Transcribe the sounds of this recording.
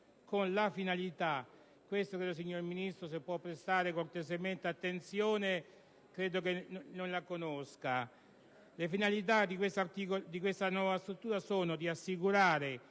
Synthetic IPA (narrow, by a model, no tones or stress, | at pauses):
konlafinalit̪a | kːwest̪okɾeːd̪os̬iɲːorminist̪ɾos̬epːwɔpːɾest̪aːɾekort̪eszement̪eat̪ːent̪sjoːne | kɾeːd̪ok̬enonlakonoska | lefinalit̪̬ad̪ikwest̪art̪ikod̪ik̬west̪anwɔːvast̪ɾut̪ːuːɾasoːnod̪iasːikuɾaːɾe